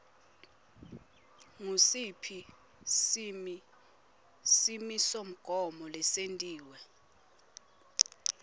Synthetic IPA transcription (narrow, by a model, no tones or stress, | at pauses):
ŋusipʰi | simi | simisom̩ɡ̥ʱɔmɔlɛsentʼiːwɛ